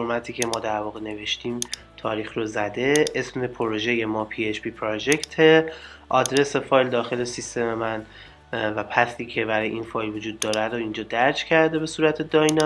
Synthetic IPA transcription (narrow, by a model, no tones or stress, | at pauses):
oɾmæt̪ʰiːcʰe̞mɒːd̪æɾvɒːɣe̞ne̞ve̞ʃt̪ʰiːm | t̪ʰɒːɾiːxɾozæd̪e̞ʔesmepʰoɾo̞ʒe̞je̞mɒːpʰiet͡ʃpʰiːpʰɾod͡ʒekt̪ʰe̞ʔɒd̪ɾe̞sefɒːjld̪ɒːxe̞lesist̪e̞me̞mæn | væpʰæsiːcʰe̞bæɾɒːjeinfɒːjlvod͡ʒuːd̪ːɒːɾed̪oind͡ʒɒːd̪æɾd͡ʒcʰæɾd̪e̞be̞suːɾæt̪ʰe̞d̪ɒːjnɒ